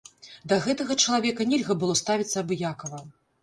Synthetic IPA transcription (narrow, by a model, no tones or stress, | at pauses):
d̪ɐɣɛt̪ɐɣɐt͡ʂɐlˠavʲɛkɐnʲɛlʲɣɐbɨlˠɔst̪avʲit̪ʲsːɐːbɨjakɐvɐ